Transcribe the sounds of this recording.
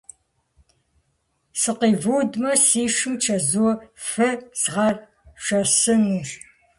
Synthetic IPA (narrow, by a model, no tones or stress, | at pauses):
sɨqiːvuːdmɐsiːʂɨmt͡ʃʰɐzuɔfɐz̥ʁɐr | ʂɐsɨnur